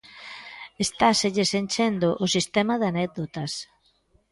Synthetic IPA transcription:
est̪aseʎesenʲt͡ʃend̪oʔʊsist̪ɛmaðanɛk̚d̪ot̪ɐs

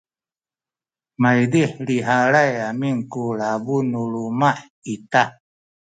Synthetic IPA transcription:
majdiħliɦaɾajamiŋkuɭabunuɭumaħ | ita

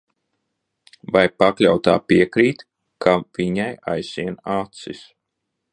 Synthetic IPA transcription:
vajpaklʲawt̪a̰ːpiɛkɾiːt̪ | kʰaviɲajajsiɛnat̪sis

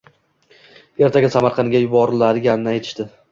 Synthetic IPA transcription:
e̞ɾt̪ʰaɡʲɪsamaɾqʰɑnɡʲajʊbɒɾlaɾɪɡʲanɪnɪajt̪ʰɪ̥ʃt̪ɪ

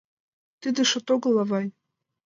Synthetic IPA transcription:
t̪ɨd̪ɘ̆ʃŏt̪oɡɤ̆lˠɑvɑj

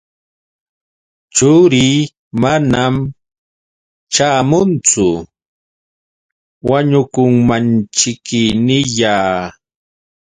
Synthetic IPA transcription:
t͡ʃʊɾiː | manam | t͡ʃaːmʊnt͡sʊ | waɲʊkʊŋmant͡ʃɪkɪnɪʎaː

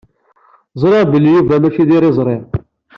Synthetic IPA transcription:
zˤɾˤeʁbəlːijuvæmæçiðiɾizˤɾˤeʁ

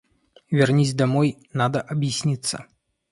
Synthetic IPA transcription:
vʲarnʲizʲd̪amɔj | nad̪ɐʔɐbjisʲnʲit̪sːɐ̰

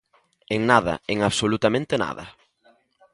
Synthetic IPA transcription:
eŋnaðɐ̰eŋaβsolut̪amẽnt̪ena̰ðɐ̰

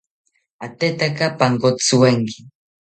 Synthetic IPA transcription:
at̪et̪akapaŋkot͡sɨweŋki

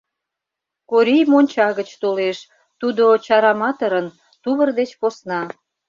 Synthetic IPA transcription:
koɾʲijmonʲt͡ɕɑɣət͡ɕt̪oleʃ | t̪ud̪ot͡ɕɑɾɑmɑt̪əɾən | t̪uβərd̪et͡ɕposnɑ

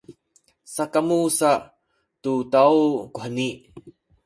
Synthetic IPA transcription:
sakamusa | tutawkuħəni

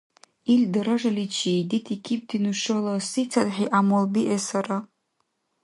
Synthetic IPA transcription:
ildɨɾaʐalit͡ʃʰiditʰikʲʰip̚dʰinuʂolasit͡sʰadħiʔamolbiʔesaɾa

